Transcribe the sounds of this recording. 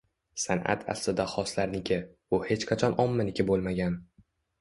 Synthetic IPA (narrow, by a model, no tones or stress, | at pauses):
sanʔa̰t̪ʰa̰slɪd̪aχɒslaɾnɪkʲɪ | ʊhe̞t͡ʃqʰɑt͡ʃʰɒnɒmːanɪkʲɪbolˠmaɡʲan